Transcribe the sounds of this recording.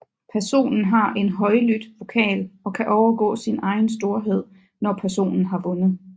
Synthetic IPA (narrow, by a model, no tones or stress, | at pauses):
pʰæɐso̝̰ːnn̩ɦɑ̈ʔe̝nɦɒ̽ɪlyd̥ʋo̝kʰɛ̰ːlɒ̽kʰæʔɒʊɐɡ̥ɔ̰ːsinɑ̈ɪn̩sd̥o̝ɐɦe̝ð̞̰ˠ | nɒpʰæɐso̝̰ːnn̩ɦɑ̈ʋɔ̽nð̩ˠ